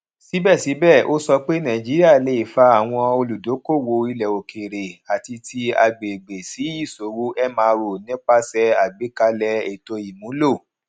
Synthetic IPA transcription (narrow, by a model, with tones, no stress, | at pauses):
si˨˦bɛ˦˨si˨˦bɛ˦˨o˦sɔ˧k͡pe˦nã˨d͡ʒi˦ɾi˦a˦˨le˨˦i˨fa˧˦a˦˨w̃ɔ̃˧o˧lu˨do˨˦ko˦˨wo˧i˧lɛ˨o˨kʰe˨ɾe˨a˨ti˧tʰi˧a̰˧ɡ͡be˨ɡ͡be˨si˨˦i˦˨so˨˦ɾu˦ʔɛ˦mãː˧ɾo˨nĩ˦k͡pa˦sɛ˧a˨ɡ͡bi˨˦ka˧lɛ˧e˨to˧i˨mũ˨˦lo˦˨